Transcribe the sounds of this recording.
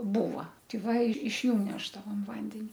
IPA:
ˈbuːʋɐ tʲɛɪ ˈʋɐ ɪʃ ˈjuː ˈnʲæːʒdɐʋoːm ˈʋɐnʲdʲɛnʲɪ

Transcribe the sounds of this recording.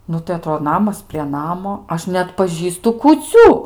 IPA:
ˈnʊ tɐɪ ɐˈtroːdoː ˈnɑːmɐs pʲrʲiɛ ˈnɑːmoː ˈɐʃ nʲɛɐtpɐˈʒʲiːstʊ kuːˈt͡sʲuː

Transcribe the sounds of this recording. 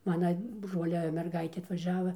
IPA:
ˈmɑːnɐ ˈbroːlʲɛ mʲɛrˈɡɐɪtʲeː ɐtʋɐˈʒʲæːʋɐ

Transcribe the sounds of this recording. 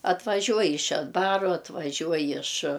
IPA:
ɐtʋɐˈʒʲuɔj ɪʃ ʃʲɛdˈbɑːrʊ ɐtʋɐˈʒʲuɔj ɪʃ

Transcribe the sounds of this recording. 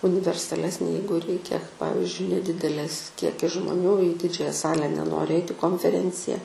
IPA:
ʊnʲɪʋʲɛrsɐˈlʲæːsʲnʲeː ˈjɛɪɡʊ ˈrʲɛɪkʲɛ ˈpɑːʋʲɪzʲd͡ʒʲʊɪ nʲɛˈdʲɪdʲɛlʲeːs ˈkʲiɛkʲɪs ʒmoːˈnʲuː iː ˈdʲɪd͡ʒʲæːjɛ ˈsɑːlʲɛ nʲɛˈnoːrʲɪ ˈɛɪtʲɪ koːnʲfʲɛˈrʲɛnʲt͡sʲɪjɛ

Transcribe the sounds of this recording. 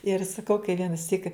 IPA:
ɪr sɐˈkɐʊ kɐɪ ʋʲiɛnɐˈsʲiːk

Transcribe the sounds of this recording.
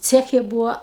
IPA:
ˈt͡sʲæːxʲɛ ˈbuːɐ

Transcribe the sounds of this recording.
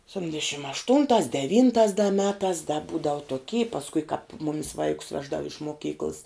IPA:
sʲɛpʲˈtʲɪnʲdʲɛʃʲɪm ɐʃˈtʊntɑːs dʲɛˈʋʲiːntɑːs dɐ ˈmʲæːtɑːs dɐ ˈbuːdɐʋʊ toːˈkʲiː pɐsˈkʊɪ kɑːp ˈmʊmʲɪs ˈʋɐɪkʊs ˈʋʲæːʒdɐʋʊ ɪʃ moːˈkʲiːklˠs

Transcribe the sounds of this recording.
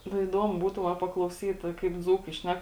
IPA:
nʊ iːˈdoːmʊ ˈbuːtuː ʋɐ pɐklˠɐʊˈsʲiːt kɐɪp ˈd͡zuːkɐɪ ˈʃʲnʲɛk

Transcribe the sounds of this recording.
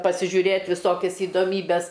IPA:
pɐsʲɪʒʲuːˈrʲeːt ʋʲɪˈsoːkʲɛs ɪdoːˈmʲiːbʲɛs

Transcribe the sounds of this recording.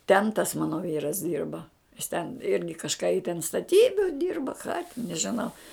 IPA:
tʲɛn tɐs ˈmɑːnoː ˈʋʲiːrɐs ˈdʲiːrbɐ jɪs tʲɛn ˈɪrʲɡʲɪ kɐʃˈkɑː ɪ tʲɛn stɐˈtʲiːbʲʊ dʲiːrbɐ kɑː tʲɪn nʲɛʒʲɪˈnɐʊ

